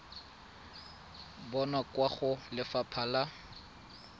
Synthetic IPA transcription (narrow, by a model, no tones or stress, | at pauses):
bɔnakwaχʊlɪfapʰala